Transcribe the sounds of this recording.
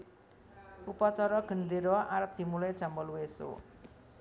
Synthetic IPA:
upat͡ʃɔɾɔɡ̥ə̤nd̪iɾɔʔaɾəp̚d̪̥i̤mulajd̥ʒ̥a̤mbɔlweso̰

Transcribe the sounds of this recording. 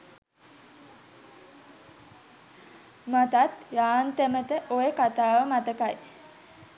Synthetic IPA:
mat̪at̪jaːnt̪emət̪əʔojekat̪aːʋəmat̪əkaj

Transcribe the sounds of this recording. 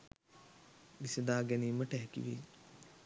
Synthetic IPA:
disɐd̪aːɡɛniːmɐʈɐɦɛkḭʋḛː

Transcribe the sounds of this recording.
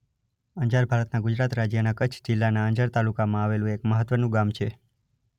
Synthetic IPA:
əɲd͡ʒaɾbʱaɾət̪naɡʊd͡ʒɾat̪ɾad͡ʒjənakət͡ʃʰd͡ʒɪlːanaəɲd͡ʒaɾt̪alukamãaʋelũekməɦət̪ʋənũɡamt͡ʃʰe

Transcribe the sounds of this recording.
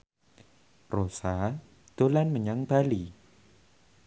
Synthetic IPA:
rosa | d̪̥o̤lanməɲaŋb̥ali

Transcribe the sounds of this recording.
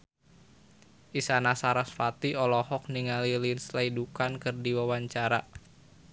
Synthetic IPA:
ʔisanasaɾasfat̪iɔlɔhɔk̚niŋalilinslaidukankɨrdiwawaɲt͡ʃaɾa

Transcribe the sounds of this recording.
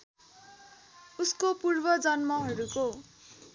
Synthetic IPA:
uskopurbʌd͡zʌnmʌɦʌɾuko

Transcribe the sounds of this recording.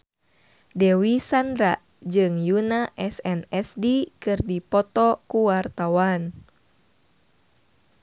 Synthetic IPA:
dɛwisand̪ɾa | d͡ʒɨŋjunaʔɛsɛnɛsdikɨrdipɔt̪ɔkuwart̪awan

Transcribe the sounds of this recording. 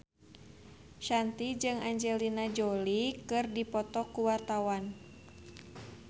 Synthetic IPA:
ʃant̪id͡ʒɨŋaɲd͡ʒɛlinad͡ʒɔlikɨrdipɔt̪ɔkuwart̪awan

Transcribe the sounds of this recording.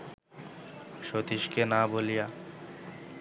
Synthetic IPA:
ʃot̪iʃkenaboːlija

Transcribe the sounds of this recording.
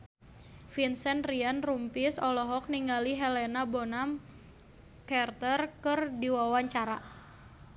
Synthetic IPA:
finsɛnrianrumpɪsɔlɔɦɔk̚niŋɡaliɦɛlenabonam | kɛrt̪ərkɨrdiwawaɲt͡ʃaɾa

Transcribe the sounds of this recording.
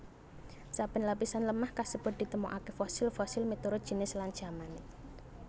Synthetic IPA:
sab̥ɪnlapisanləmahkasəpəd̪̥i̤t̪əmoʔakefɔsɪlfɔsɪlmit̪uɾʊdʒ̥i̤nɪslaŋ̥ʒ̥amanɪ

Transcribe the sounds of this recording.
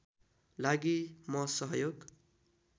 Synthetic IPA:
laɡimʌsʌɦjoɡ

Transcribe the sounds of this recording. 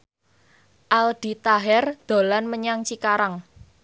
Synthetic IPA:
ʔalɖ̥i̤t̪aɦɛrd̪̥o̤lanməɲaŋt͡ʃikaɾaŋ

